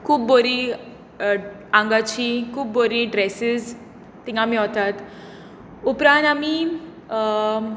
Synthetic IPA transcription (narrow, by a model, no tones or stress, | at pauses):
kʰuːbboɾi | ãŋɡat͡ɕikʰuːb̚boɾiɖɾɛsiz | t̪iŋɡamiɦɔt̪at̪ | upɾãnt̪ami